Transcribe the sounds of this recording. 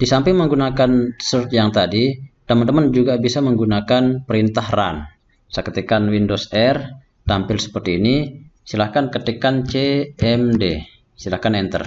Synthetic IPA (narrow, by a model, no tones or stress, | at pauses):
d̥isampɪŋməŋɡunakansərt̪jaŋt̪adit̪əmənt̪əmənd͡ʒuɡabisaməŋɡunakanpəɾint̪ahra̰n | sakət̪ekanwindosɛr | t̪ampɪlsə̥pərt̪iːnisilahkankət̪ekant͡ʃeɛmde | silahkanɛnt̪ə̰r